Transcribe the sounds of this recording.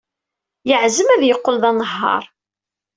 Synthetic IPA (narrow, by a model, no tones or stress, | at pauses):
jəʕzəmæðjəqːəlðɑnəɦːɑ̰ɾˤ